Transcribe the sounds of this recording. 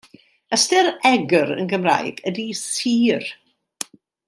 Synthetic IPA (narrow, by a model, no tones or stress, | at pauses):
əstɪɾɛɡəɾə̰nɡəmra̰jɡ̥ədisiːr